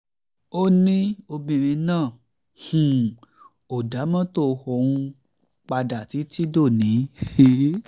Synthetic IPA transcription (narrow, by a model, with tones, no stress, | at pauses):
o˦nĩ˦o˧bĩ˨ɾ̃ĩ˧nãː˦˨ | hũ˨ | o˨da˨˦mã˦to˦˧hɔ˦˨ũ˧ | k͡pa˧da˨ti˨˦ti˦do˦˨nĩ˨˦˨